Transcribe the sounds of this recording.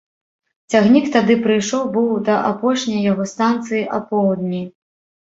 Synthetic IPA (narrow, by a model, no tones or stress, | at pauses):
t͡sʲaɣnʲikt̪ad̪ɨpɾɨjʂɔwbɨwd̪ɐʔapɔʂnʲɐjːaɣɔst̪ant̪sɨjiʔapɔwd̪nʲi